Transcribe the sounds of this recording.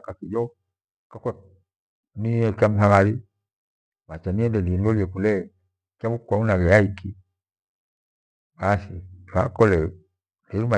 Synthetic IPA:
kakijɔ | kakwɛ | niɛkam̩saŋaɾi | mat͡ʃaniɛndɛniɛndɔliɛkulɛ | kamukaunaɣɛjaiki | basiakɔlɛ | niɾuma

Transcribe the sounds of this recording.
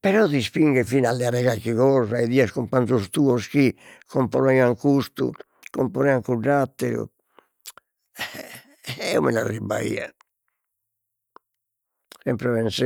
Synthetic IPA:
pɛɾɔðispiŋɡɛfinalːɛaɾɛɣalkiɣɔːzaɛðiːaskumpant̪ust̪uːɔsk̟ikʰɔmpɔɾɔɛaŋkust̪ṵ | kɔmpɔɾɛaŋkuɖːat̪ːɛɾṵ | ɛṵmɛ̰na̰rːiba̰ḭːa̰ | sɛmpɾɛβɛnsɛ

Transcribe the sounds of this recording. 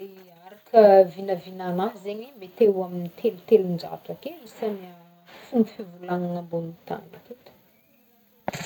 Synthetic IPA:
e | aɾakʰəvinəvinanaɦzeɲimet̪ewaminit̪ʰelut̪elund͡ʒa̰t̪wakelisamia | fumfivulaŋaŋambonut̪a̰ni̥ket̪ə̥

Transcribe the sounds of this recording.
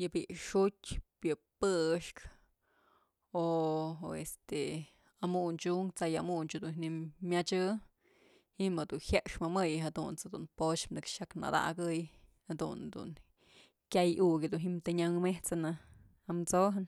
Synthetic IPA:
jɨbiʔʂutʲpjɨpɨʂk | o | est̪e | amunt͡ʃuŋt͡sajamunt͡ʃud̪unhnimʲat͡ʃɨ | hiʔmad̪unhjaʔʂmɨmɨjɨɦad̪unt͡sad̪ṵnpot͡ʃmnɨkʃakna̰d̪a̰ɡɨjhad̪ṵnd̪ṵn | kʲajukʲid̪unɦimt̪eɲaŋmeht͡sanɨ | amt͡soɦɨn

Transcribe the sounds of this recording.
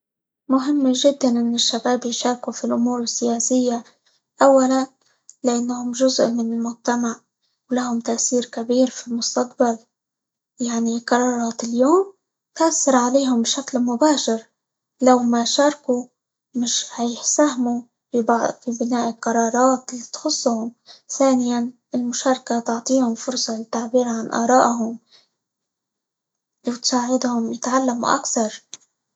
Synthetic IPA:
mʊɦɪmːʒɪd̪ːanʔɪnːɪʃːabaːbjʃɑːɾˤkufilʔʊmuːɾɪsːɪjaːsɪjːa | ʔawːalan | lɪʔanːhʊmʒʊzʔmɪnɪlmʊd͡ʒ̚t̪amaʕ | wlahʊmt̪aʔsiːɾkabiːɾfilmʊst̪aq̚bal | jaʕniqɑɾˤɑːɾˤɑːt̪ɪljoːm | t̪ʔasːɑɾˤʕaleːɦʊmbʃaklmʊbaːʃɪɾ | lawmaʃɑːɾˤku | mɪʃhajɪħsahmu | fibfibɪnaːʔqɑɾˤɑːɾˤɑːt̪lit̪xʊsˤːʊhʊmθaːnɪjan | ɪlmʊʃɑːɾˤɑkat̪ʊʕt̪ˤiːhʊmfʊɾsˤɑlɪt̪ːaʕbiːɾʕanʔɑ̰ːɾˤɑːʔɦʊm | wɪt̪saːʕɪd̪hʊmjɪt̪ʕalːamṵʔa̰kθɑɾˤ

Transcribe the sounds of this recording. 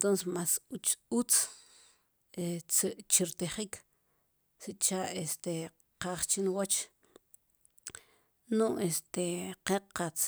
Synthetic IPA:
t̪onsesmasut͡ʃut͡s | et͡siʔt͡ʃiɾt̪eχik | siʔt͡ʃaʔest̪e | qaχt͡ʃinwot͡ʃ | nuʔest̪eqeqat͡s

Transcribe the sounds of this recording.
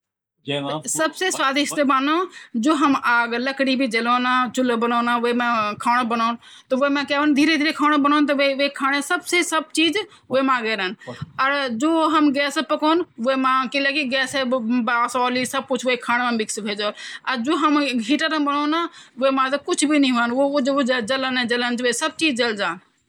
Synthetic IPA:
sɐbseswaːd̪ɪʃt̪ebaːnad͡ʒoːɦɐmʔaːɡlɐkɽibʱid͡ʒɐloːnãt͡ʃʊlbɐnoːnãːʊemãkʰaːɽ̃bɐnaːn | t̪ɐʋʊemãkaːʋənd̪ʱiːɾed̪ʱiːɾekʰaːɽ̃bɐñaːnt̪ɐʋeʋekʰaːɽ̃esɐbsesɐb̚t͡ʃiːz | ʊemãːɡeːɾənɐɾd͡ʒoːɦɐmɡɛːspɐkoːnʊɦemãkilekiɡɛːseasɔːlisɐb̚kʊt͡ʃʰʊekʰaːɽ̃mẽmɪksʋʱeːd͡ʒoːnɐɾd͡ʒoːɦɐmɡʱiːʈəɾəbɐnoːnaːʊemãt̪ɐkʊd͡ʒʱʰbinĩɦuənd͡ʒd͡ʒɐlənẽd͡ʒɐlənt͡ʃʊesɐb̚t͡ʃiːd͡ʒd͡ʒɐld͡ʒaːn

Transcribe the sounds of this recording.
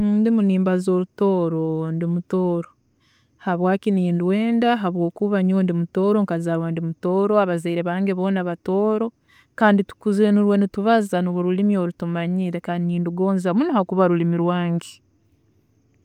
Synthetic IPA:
ndimuniːmbazo̞ɾuto̞ːɾondimutoːɾo | haβwaːkiniːnduweːndaɦaβwo̞ːkuβaɲoːndimuto̞ːɾo̞ŋkazaɾwandimuto̞ːɾoaβazaiɾeβaːŋɡeβo̞ːnaβato̞ːɾo̞ | kaːnditu̥kuzeːnuɾwe̞nituβazanuβuɾulimio̞ɾutumaɲiːɾe̞kaːndiniːnduɡo̞ːnzamunohakuβaɾulimiɾwaːŋɡe̥

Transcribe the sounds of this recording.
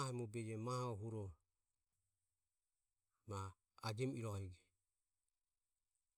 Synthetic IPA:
hɛmubɛd͡ʒɛmahaɔɦuɾɔ | ma | ad͡ʒɛmiɾɔhɛɡɛ

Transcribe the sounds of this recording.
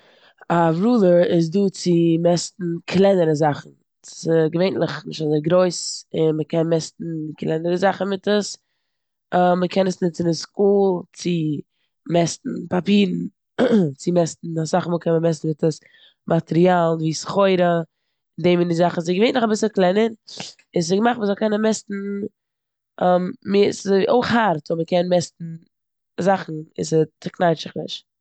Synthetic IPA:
avɾuːlˠəɾɪs̬duːt͡sɪmɛstn̩kʰlˠɛnəɾəzaχn̩ | ɪɡəveɪntlˠɪχnɪʃtazɛɡɾoɪsɪnməkʰɛnmɛstn̩kʰlˠɛnəɾəzaχn̩mɪtəs | əməkʰɛnəsnɪt͡sɪnɪnskuːlˠt͡sɪ | mɛstn̩papiːɾn̩ | t͡sɪmɛstn̩asaχmuːlˠkʰɛnməmɛs̬n̩mɪtəs | mʔatɛɾialˠnviːsχoɪɾə | ɪndeːmɪndɪzaχn̩zɪɡəveɪtnʊχabɪsəɾklˠɛnəɾ | ɪssɪɡəmaχtməzɔlˠkɛnənmɛstn̩ | ɛmmɪszʔoɪχhaɾtʊməkɛnmɛstn̩ | zaχn̩ɪ̰sətəknaɪt͡ʃɪχnɪ̰ʃt

